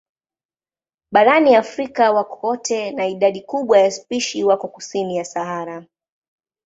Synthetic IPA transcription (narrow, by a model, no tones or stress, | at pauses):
ɓaɾaniafɾikawakʰɔtʰɛnaiɗaɗikuɓwajaspiʃiwakɔkusinijasaɦaɾa